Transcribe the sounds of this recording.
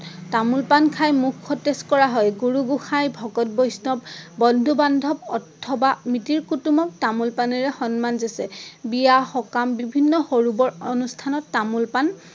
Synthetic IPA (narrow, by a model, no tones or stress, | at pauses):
tamulpankʰajmukʰːɔteskɔɹaɦɔjɡuɹuɡuxajbʱɔkɔt̚bɔjsnɔbbɔndʱubandʱɔb̚ɔtʰːɔbamitiɹkutumɔk̚tamulpanɛɹɛxɔnmanzɛsɛbijaxɔkambibʱinːɔxoɹubɔɹonustʰanɔtːamulpan